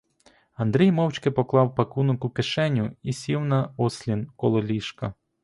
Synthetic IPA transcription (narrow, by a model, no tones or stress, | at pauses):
ɐnd̪ɾʲijmɔwt͡ʃʲkɪpɔklˠɑwpɐkunʊkʊkeʃɛnʲʊisʲiwnɐɔsʲlʲinkɔlˠɔlʲiʃkɐ